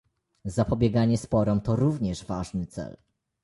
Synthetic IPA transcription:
zapɔbʲjɛɡaɲɛspɔɾɔmt̪ɔɾuvɲɛʐvaʐnɘt̪sɛ̰l

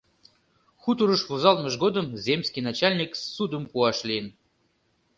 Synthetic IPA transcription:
xut̪uɾəʃvuzɑlˠməʒɡod̪ə̆mzʲemsʲkʲijnɑt͡ɕalʲnʲiksud̪əmpuɑʃlʲijən

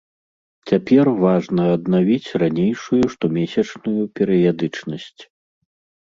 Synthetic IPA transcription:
t͡sʲapʲɛrvaʐnɐɐd̪navʲit͡sʲranʲejʂujuʂt̪ɔmʲɛsʲɐt͡ʂnujupʲɛɾɨjad̪ɨt͡ʂnɐsʲt͡sʲ

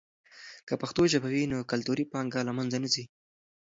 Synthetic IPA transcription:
kəpaxt̪oʒabawinokalt̪uɾipɑŋɡalamanzanazi

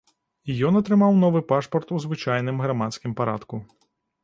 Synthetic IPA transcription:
ijɔnɐt̪ɾɨmawnɔvɨpaʂpɐrt̪uzvɨt͡ʂajn̪ɨmɣɾamat̪skʲimpaɾat̪ku

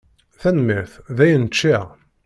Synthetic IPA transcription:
θænmiθðæjənt͡ʃːi

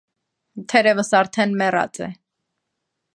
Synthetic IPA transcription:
t̪ʰɛɾɛvəsɑɾt̪ʰɛnmɛrɑ̰t͡sʼɛ̰

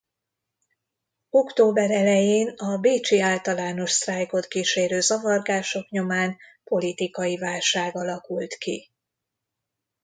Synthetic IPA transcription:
o̞kt̪oːbɛɾɛlɛjeːnɒbeːt͡ʃiaːlt̪ɒlaːno̞ʃsraːjko̞t̪kiːʃeːɾøːzɒvɒrɡaːʃo̞kɲo̞maːnpo̞lit̪ikɒjivaːlʃaːɡɒlɒkult̪ki

